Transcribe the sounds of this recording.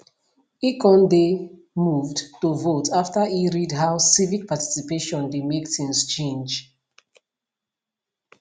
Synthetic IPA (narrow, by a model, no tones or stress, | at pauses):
ikʰɔ̃nde | muvdtuvotʰaftəiɹidɦaʊsivik̚pati̥sipeʃɔ̃ndemektʰĩnst͡ʃẽnd͡ʒ